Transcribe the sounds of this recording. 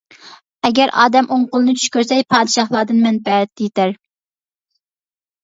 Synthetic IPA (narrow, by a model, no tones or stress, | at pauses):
ɛɡʲɛɾʔɑːd̪ɛmʔoɴqʊlˠɨnɨt͡ʃʰy̥ʃkʲøɾsɛjpʰɑːd̪ɨʃɑχlˠɑːd̪ɨnmɛnbɛɾɛt̪ːɪjet̪æɾ